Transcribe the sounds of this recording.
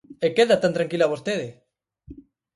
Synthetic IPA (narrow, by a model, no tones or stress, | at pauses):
ekeðat̪ant̪ɾaŋkilaβost̪eðe